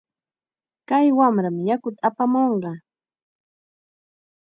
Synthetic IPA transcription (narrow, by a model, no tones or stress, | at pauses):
kajwamɾamɪjakʊt̪aːpamoɴɢɑ